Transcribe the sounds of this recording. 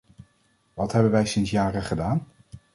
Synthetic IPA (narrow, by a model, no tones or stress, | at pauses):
ʋɑtɦɛbənʋɛjsɪnsjaːrəχədaːn